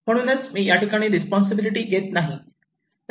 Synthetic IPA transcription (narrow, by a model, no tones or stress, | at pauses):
m̤əɽ̃uːnət͡smiːjaʈikaɽ̃iːɾispɔns̬əbiliʈiːɡet̪naɦi